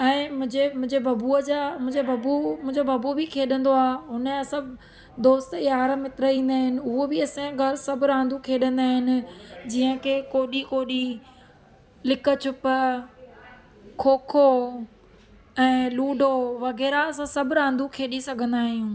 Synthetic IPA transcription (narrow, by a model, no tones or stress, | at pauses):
ɛ̃ːmʊ̃ɦɪ̃ɲd͡ʑemʊ̃ɦɪ̃ɲd͡ʑebʱɐbuəd͡ʑamʊ̃ɦɪ̃ɲd͡ʑebʱɐbumʊ̃ɦɪ̃ɲd͡ʑobʱɐbubikʰeːɗə̃nd̪oaːɦʊnəsɐ̃b | d̪oːst̪jaːɾəmɪt̪ɪɾəĩːnd̪aːɦɪnɪ̆ʊɦobɪɐsẽɡʱɐɾsɐbʱɾãːn̆d̪ʱukʰeːɗə̃nd̪aːɦɪnɪ̆d͡ʑiːə̃kʰeːkoːɗikoːɗi | lɪkət͡ɕʰʊpə | kʰoːkʰo | ɛ̃ːluːɖʱoʋɐɣɛːɾaɐsãsɐbʱɾãːnd̪ʱukʰeːɗisɐɡʱə̃nd̪aːɦijũː